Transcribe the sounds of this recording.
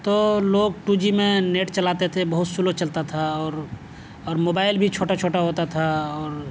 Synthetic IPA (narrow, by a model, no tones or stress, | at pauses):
t̪oloːɡ̚ʈud͡ʒimẽneʈt͡ʃəlaːt̪et̪ʰebəɦʊt̪sulot͡ʃəlt̪at̪ʰaɔːɾ | ɔːɾmoːbaːɪlbʱit͡ʃʰoːʈat͡ʃʰoːʈaɦot̪at̪ʰaɔːɾ